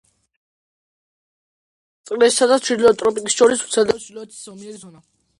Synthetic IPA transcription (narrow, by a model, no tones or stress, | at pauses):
t̪sʼqʼɾɛssad̪at͡ʃʰid̪lɔt̪ʼɾɔpʼikʼisʃɔɾisu̥sʰɛd̪ɛt͡ʃʰilɔɛt̪ʰi̥sɔmiɛɔna